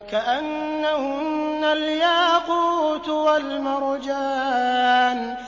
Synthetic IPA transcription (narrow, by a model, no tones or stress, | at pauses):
kaʔanːahʊnːaljaːquːt̪walmɑɾˤd͡ʒaːn